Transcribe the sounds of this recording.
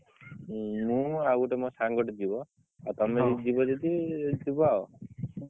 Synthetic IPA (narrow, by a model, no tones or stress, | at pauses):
mũawuʈemɔ̃saŋɡɔʈɔd͡ʒibɔ | at̪ɔmed͡ʒibɔd͡ʒed̪id͡ʒibɔao